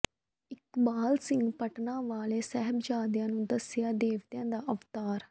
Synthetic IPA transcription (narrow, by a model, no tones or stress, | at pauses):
ɪkbaːlsɪ̃ŋɡpəʈnãːʋaːleːsɛɦəbd͡ʒaːd̪jãːnũːd̪əsjaːd̪eːʋt̪jãːd̪aːʔəʋt̪aːɾ